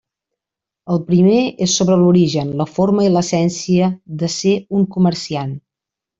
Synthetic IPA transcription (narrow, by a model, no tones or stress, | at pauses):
əlˠpɾimeesːoβɾəluɾiʒənləfoɾməiləsɛnsiəðəseuŋkumərsian